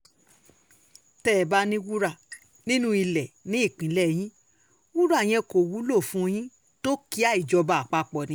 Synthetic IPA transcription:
tɛː˦˨ba˧nĩ˦wu˦ɾa˦˨ | nĩ˦nũ˦i˧lɛ˨nĩ˨˦i˦˨k͡pĩ˨˦lɛ˦˨j̃ĩ˦ | wu˦ɾa˦˨j̃ɛ̃˧ko˨wu˨˦lo˦˨fũ˦o˧j̃ĩ˦ | to˦ki˦a˦˨i˨d͡ʒɔ˧ba˨k͡pa˧k͡pɔ˨nĩ˨˧

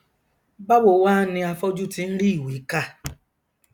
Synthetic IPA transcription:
ba˦wo˨waː˦nɪ̃˧a˧fɔ˦d͡ʒu˦ti˨n̩˦ɾi˦˨wi˨˦ka˦˨

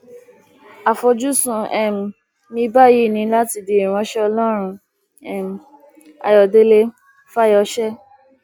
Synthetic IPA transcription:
a˨fɔ˧d͡ʒu˦sũ˨˧ɛ˦˨m̩˨ | nĩ˧˦ba˦˨ji˦˨nĩ˧˦la˦ti˧di˨i˨ɾ̃ɔ̃˧˦ʃɛ˦ɔ˧lɔ˦ɾ̃ũ˧ | ɛ˦˨m̩˨ | a̰˨jɔ˨de˦le˧ | fa˦˨jɔ˧ʃɛ˦

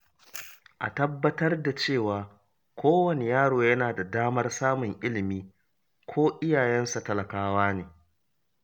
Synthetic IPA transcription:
ʔa̰˨tɐ˦bːɐ˦tɐ˦rda˨t͡ʃeː˦˨waː˨ | kʰʷoː˦wɐ˨ne˨jaː˦ɽoː˨jɐ˦naː˨da˨daː˦mɐ˦rsaː˦mʊ˨ŋʔɪ˦lɪ˨miː˦ | kʷʰoː˦ʔɪ˦jaː˨jɛ˦nsa˨tɐ˦lɐ˨kaː˦waː˦neː˨

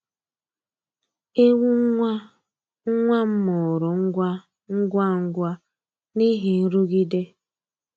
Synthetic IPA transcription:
e˦wu˦ŋ˦ŋʷa˦ | ŋ̩˦ŋʷa˦m̩˦mʊ˨ɾʊ˨ŋ̩˦ɡʷa˦ | ŋ̩˦ɡʷa˦ŋ̩˦ɡʷa˦ | ni˦ɦi˨n̩˦ɾu˦ɡi˦de˦

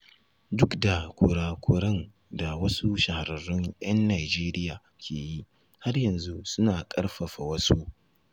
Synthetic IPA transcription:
dʊ˦kda˨kʷo˨ɽaː˨kʷoː˦ɾɐ˦n | da˨wɐ˦su˦ʃa˨ha˨ɾɐ˨rːʊ˦ŋj̰ʔɐ˦nːaː˨d͡ʒeː˦ɾɪ˦jaː˨ | kʲʰeː˨ji˦ʔ | ha˦rjɐ˨nzu˦sʊ˦naː˨kʼɐ˦rɸɐ˨ɸa˨wɐ˦su˦ʔ

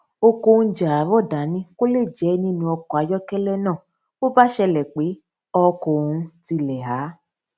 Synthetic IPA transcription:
o˧ko˧n̩˦d͡ʒa˨a˨˦vɔ˦˨da˨˦nĩ˦ko˦le˦˨d͡ʒɛ˨˦nĩ˦nũ˧ɔ˧kɔ˨a˨˦jɔ˦kɛ˦lɛ˦nãː˦˨ | o˦ba˦ʃɛ˧lɛ˨k͡pe˨˦ | ɔ˧ko˨˧ti˧lɛ˨ɦa˨˦

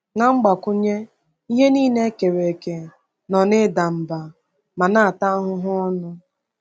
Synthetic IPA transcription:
ŋa˦ŋ͡m̩˦ɡ͡ba˨kʊ˦ɲe˦ | i˦ɦe˦niː˦ne˦ke˨ɾe˨ke˨ | nɔ˨nɪ˦da˨m̩˨ba˨ | ma˨na˦a˨ta˦ɦʊ˦ɦʊ˦ɔ˦nʊ˦

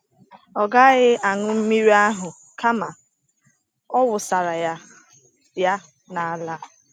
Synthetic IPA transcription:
ɔ˨ɡa˦ɣɪ˦a˨ŋʊ˦m̩˦mi˦ɾi˦a˦ɦʊ˨ | ka˦ma˨ | ɔ˦wʊ˨sa˨ɾa˨ja˦ | ja˦ | na˨a˨la˦

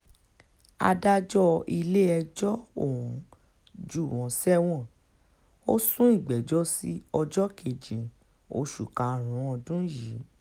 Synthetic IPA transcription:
a̰˧da˦d͡ʒɔ˦i˧le˦ɛ˧d͡ʒɔ˦o˦˨wũ˨˦ | d͡ʒu˦˨wɔ̃˨˦sɛ˦w̃ɔ̃˦˨ | o˦sũ˦i˦˨ɡ͡bɛ˨d͡ʒɔ˦si˦ɔ˧d͡ʒɔ˦ke˨d͡ʒĩ˨ | o̰˧˦ʃu˨kã˨ɾ̃ũ˨˦ɔ˧dũ˦ji˨˦

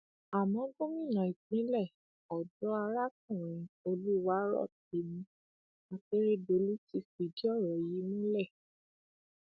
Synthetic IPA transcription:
a˨mɔ̃˨˦ɡõ˦mĩ˦˨nã˨i˨k͡pĩ˨˦lɛ˦˨ | ɔ˨dɔ˦a˧ɾa˦k̚ũ˦˨ɾ̃ĩ˨˧o˧lu˦wa˦ɾɔ̰˦˨t̚e˨˦mĩ˧˦ | a˧k͡pe˦ɾe˦do˨˦lu˦ti˦fi˨di˦ɔ˦˨ɾɔ˨ji˨˦mũ˦lɛ˦˨

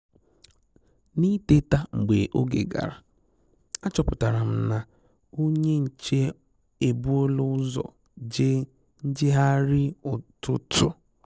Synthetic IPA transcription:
ni˦te˦ta˦ŋ͡m̩˨ɡ͡bḛ˨ʔo˦ɡḛ˨ɡa̰˨ɾa˨ | a˦t͡ʃɔ˨pʊ˨ta˨ɾa˨m̩˦na˨ | o˦ɲe˦n̩˨t͡ʃe˦ | e˨bu˦o˦lʊ˦ʊ˦zɔ̰˨ | d͡ʒe˦ | n̩˦d͡ʒɪ˦ɦa˦ɾɪ˦ʊ˨tʊ˦tʰʊ̰˨

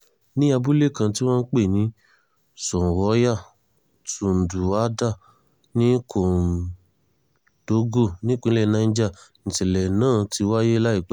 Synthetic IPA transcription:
nĩ˦a˧bu˦le˦˨kã˧ti˦w̃ɔ̃˦n̩˦k͡pe˦˨nĩ˨˦ | sɔ̃˨wɔ˨˦ja˦˨ | tu˨n̩˨du˨a˨˦da˦˨ | nĩ˦kʰo˨ | d̥o˨˦ɡo˦˨nĩ˦k͡pĩ˧˦lɛ˦˨nã˨˧n̩˦d͡ʒa˦˨ñ̩˨tɛ˨lɛ˨nãː˦˨ti˧˦wa˦je˦la˦i˦˨k͡p

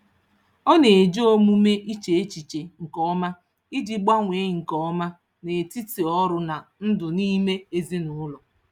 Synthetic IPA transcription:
ɔ˦ne˨e˨d͡ʒo˦mu˦me˦ʔi˦t͡ʃe˨e˦t͡ʃi˨t͡ʃe˨ŋ̩˨kɔ˦ma˦ | i˦d͡ʒi˦ɡ͡ba˦ŋʷe˨˦ŋ̩˨kɔ˦ma˦ | ne˨ti˦ti˨ɔ˦ɾʊ˦na˨n̩˦dʊ˨ni˦me˦e˦zi˦nʊ˦ʊ˦lɔ˨

